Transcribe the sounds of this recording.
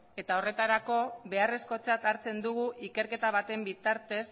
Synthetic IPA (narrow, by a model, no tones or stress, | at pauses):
e̞t̪ao̞re̞t̪aɾako̞βe̞are̞sko̞t͡sat̪aɾt͡se̞nd̪uɣ̞uʔike̞ɾke̞t̪aβ̞at̪e̞mbit̪aɾt̪e̞s